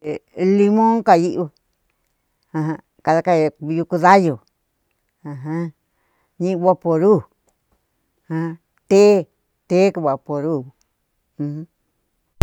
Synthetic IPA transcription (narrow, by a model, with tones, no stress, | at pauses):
li˧mõ˦ŋka˧ji˦ʔ | ã˧ɦã˧ | ka˧ða˧ka˦˧jju˧ku˧ða˦jo˨ | ã˧ɦã˦ | ɲĩ˦˧βa˧po˧ɾu˦˨ | hã˧ã˧ | t̪e˦ | t̪e˦ku˧βa˨po˨ɾũ˦˨˧ | h̩˦